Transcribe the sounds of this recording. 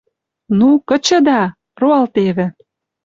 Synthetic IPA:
nukə̆t͡ɕə̆d̪ɑ | roɑlt̪eβĕ

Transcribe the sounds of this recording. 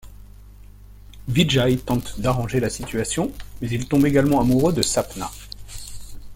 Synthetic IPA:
viʒajt̪ɑ̃t̪d̪aʁɑ̃ʒelasit̪ʰɥasjɔ̃mɛzilt̪ɔ̃beɡalmɑ̃amuʁød̪əsapna̰

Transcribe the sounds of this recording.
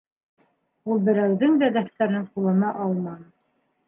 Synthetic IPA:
ulˠbɘ̆ɾæwðɘŋd̪æd̪æθt̪æɾnɘɴqulˠɤ̆nɑʔɑlˠmɑn

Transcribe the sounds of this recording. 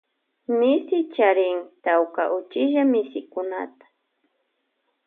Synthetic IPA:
mɪsɪt͡ʃaɾɪŋt̪awka̰ʔʊt͡ʃɪʒamɪsɪkʊna̰t̪ḁ

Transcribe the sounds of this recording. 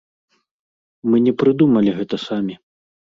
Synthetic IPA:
mɨnʲɛpɾɨd̪umɐlʲiɣɛt̪ɐsamʲi

